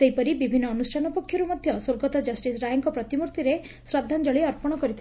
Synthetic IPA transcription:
seɦjpɔɾibibʱinːɔːnusʈʰanɔpɔkʰːjɔɾumɔd̪ʱjɔswoɾɡɔt̪ɔd͡ʒɔsʈisɾajɔŋkɔpɾɔt̪imuɾt̪iɾe | sɾad̪ʱːand͡ʒɔɭiɔɾpɔɽ̃ɔkɔɾit̪ʰ

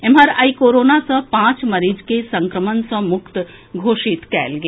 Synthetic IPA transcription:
emɐɾəikoːɾoːnasə̃pãːt͡ʃmɐɾiːd͡ʒkesɐ̃ŋkɾəmənsɔ̃mʊkt̪ | ɡʱoːʃit̪kɛ̰ːlɡe

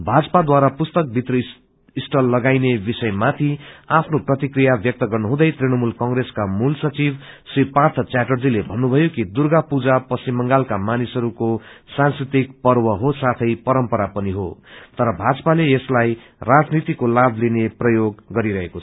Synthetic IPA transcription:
bʱad͡zʌ̥pad̪waɾapust̪ʌk̚bʱit̪rʌ | isʈʌlːʌɡajnebisʌjmat̪ʰiapʰnoprʌt̪ikrijabʱjʌk̚t̪ʌɡʌrnʌɦũd̪ʌjt̪rinʌmulkʌŋɡreskamulsʌt͡sib | sripart̪ʰʌt͡saʈʌrd͡zilebʱʌnːubʱʌjokid̪urɡapud͡zapʌsimːʌŋɡalkamanisʌɾukosãnskrit̪ik̚pʌrwʌɦosat̪ʰʌjpʌɾʌmpʌɾapʌniɦo̰t̪ʌɾʌbʱad͡zʌpaleeslaj | rad͡znit̪ikolabʱlineprʌjoɡːʌɾiɾʌɦekoʌ

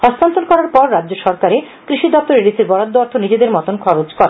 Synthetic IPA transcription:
hɔst̪ant̪olkɔɾaɾpɔɾːad̪ːd͡ʑoʃɔɾkaɾe | kɾiʃid̪ɔp̚t̪oɾelisiɾbɔɾad̪ːoɔɾt̪ʰonid͡ʑed̪eɾmɔt̪onkʰɔɾot͡ɕkɔɾe

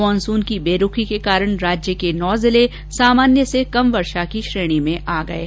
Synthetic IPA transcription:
ɔ̃ːnsuːnkibeːɾʊkʰikekaːɾəɽ̃ɾaːd͡ʒjəkenɔːzɪle | saːmaːnjəsekɐmʋɐɾʃakiʃɾeːɽ̃imẽʔaːɡɐeː

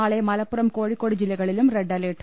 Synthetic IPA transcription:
aːɭɐɪmɐlɐpːɯɾɐmkoːɻikːoːɽɯd͡ʒɪlːɐɪɣɐɭɪlɯmɾɛɖːɐleːʈ

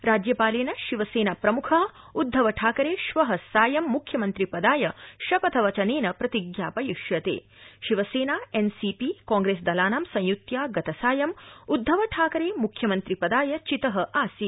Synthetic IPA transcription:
ɾaːd͡ʒjɐpaːleːnɐʃiʋɐseːnaːpɾɐmukʰaː | ud̪ʱːɐʋɐʈʰaːkɐɾeːʃʋɐɦɐsaːjɐmːukʰjɐmɐnt̪ɾipɐd̪aːjɐʃɐpɐt̪ʰɐʋɐt͡ʃɐneːnɐpɾɐt̪iɡjaːpɐjiʃjɐt̪ḛː | ʃiʋɐseːnaːensipikaːŋɡɾeːsd̪ɐlaːnaːmsɐ̃j̃jut̪jaːɡɐt̪ɐsaːjɐmud̪ʱːɐʋɐʈʰaːkɐɾeːmukʰjɐmɐnt̪ɾipɐd̪aːjɐt͡ʃit̪ɐɦɐʔaːsi

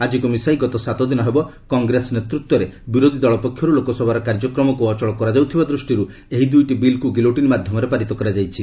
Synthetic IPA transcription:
ad͡ʒikumisajɡɔt̪ɔsat̪ɔd̪inɔɦebɔ | kɔŋɡɾesnet̪ɾut̪ːwɔɾebiɾod̪ʱid̪ɔɭɔpɔkʰːjɔɾulokɔsɔbʱaɾɔkaɾd͡ʒɔkɾɔmɔkuɔt͡ʃɔɭɔkɔɾad͡ʒawt̪ʰibad̪ɾusʈiɾu | eɦid̪ujʈibilkuɡiloʈinmad̪ʱjɔmɔɾepaɾit̪ɔkɔɾad͡ʒajt͡ʃʰi

